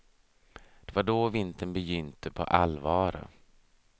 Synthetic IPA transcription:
d̪̥ɛvaɖɔvɪnt̪ənbɛjʏnt̪ʰəpʰɔ̰ʔalvɑːɾʊ̰

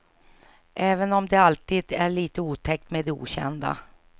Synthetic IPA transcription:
ʔɛːvənɔmd̪ɛalt̪iːd̪æɭiːt̪əuːt̪ʰɛk̚t̪mɛd̪ɛṵːɕɛ̰nd̪a̰

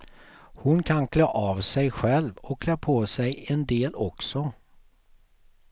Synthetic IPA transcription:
hʊnkʰankʰløːʔɑvsɛjɧɛlvɔkːʰlaːpʰoːsɛjɛnd̪eːlɔksɔ

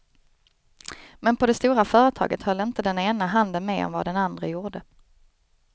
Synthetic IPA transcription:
mɛnpʰɔd̪ɛst̪uːɾafœːɾət̪ʰɑ̰ːɡət̪hœlːəɪnt̪əd̪ɛneːnaɦand̪ənmeːɔ̰mva̰d̪ɛnand̪ɾəjuːɖə

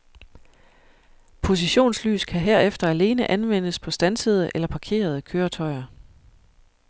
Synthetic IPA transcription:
pʰo̝s̬iɕo̝̰ːnsly̰ːskʰæɦeɐ̰efd̥ɐæle̝ːnəʔænʋen̰əspʰɒ̽sd̥ænsəð̞ˠəʔelɐpʰɑ̈kʰe̝̰ːɐð̞ˠəkʰøːɐt͡sʰɒ̽ɪɐ

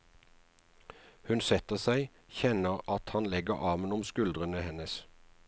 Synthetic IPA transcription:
hʉnsɛt̪əʁsæɪ | çɛnəʁɑt̪hɑnlɛɡəʁʔɑːmənʊmskʉld̪ʁənəhɛnəs

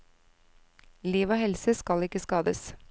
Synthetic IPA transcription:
liːʋoːhɛlsəskɑlɪkəskɑːd̪ə̰s

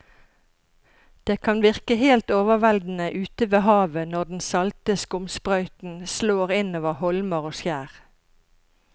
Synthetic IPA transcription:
d̪̥eːkʰɑnʋɪʁkəheːlt̪oːʋəʁʋɛld̪n̩əʔʉːt̪əʋeːhɑːʋənɔd̪n̩sɑlt̪əskʊmspʁɑʏt̪n̩sloːʁɪnoːʋəʁhɔlməʁoːsjæːʁ

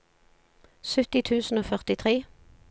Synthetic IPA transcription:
sʉt̪ɪt̪ʰʉːsn̩oːfœʁt̪ɪt̪ʰʁeː

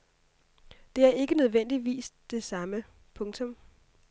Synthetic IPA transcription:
d̥e̝æɐe̝ɡ̥ənøð̞ˠʋen̰d̥iʋḭːsd̥e̝sɑ̈mə | pʰɔ̽ŋt͡sʰɔ̽m

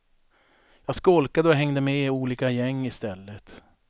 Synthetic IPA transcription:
jɑːskɔlkad̪əɔɦɛŋd̪əmɛuːliːkajɛŋːɪst̪ɛlːət̪

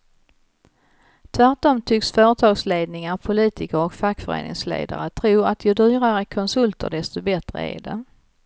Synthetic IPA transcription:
t̪ʰvæʈːɔmt̪ʰʏksfœːɾət̪ʰɑːɡsleːd̪̚nɪŋaɾpʰʊliːt̪ɪkəɾɔkfakːfœɾḛːnɪ̰ŋslḛːd̪a̰ɾət̪ʰɾuːɾat̪ʰjɵd̪yːɾaɾəkʰɔnsɵlt̪ʰə̰ɖɛst̪ɔbɛt̪ɾə̰æ̰ɖɛ

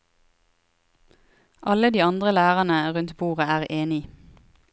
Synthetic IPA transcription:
ʔɑləd̪iːɑnd̪ʁəlæːʁɑnəʁʉnt̪buːʁəæːʁʔeːnɪ

